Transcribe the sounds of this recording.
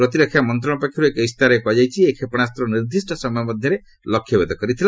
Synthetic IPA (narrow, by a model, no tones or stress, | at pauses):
pɾɔt̪̬iɾɔkʰːjamɔnt̪̬ɾɔɽɔpakʰjiɾuekɔjst̪aɾekɔd͡ʒajt͡ʃʰiekʰepɔɽ̃ast̪ɾɔniɾd̪isʈɔsɔmɔjɔmɔd̪ʱjɔɾe | lɔkʰjɔbed̪ɔkɔɾit̪ʰila